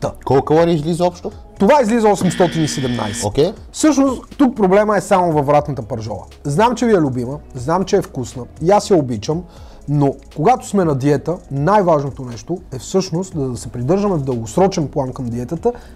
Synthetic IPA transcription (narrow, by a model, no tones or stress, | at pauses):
t̪əkɔlˠkəvɔɾɛizlizəɔpʃt̪o | t̪ovaizlizəɔsɛmst̪ɔt̪inisɛd̪ɛmna̰jsɛ̥okʲɛj | fsɤʃnost̪t̪uk̚pɾoblɛməɛsamovɐvɾat̪nət̪əpɐɾʒɔ̰ɾə̰ | znamt͡ʃɛviɛlʲʊbiməznamt͡ʃɛɛfkusnəiasjɐobit͡ʃəm | no | koɡat̪ʊ̥smɛnɐd̪iɛt̪ənajvaʒnot̪onɛʃt̪oɛfsɤʃnost̪d̪ɐd̪ɐsɛpɾid̪ɤɾʒəmɛvd̪əlˠɡosɾɔt͡ʃɛnplˠankɐmd̪iɛt̪ət̪ə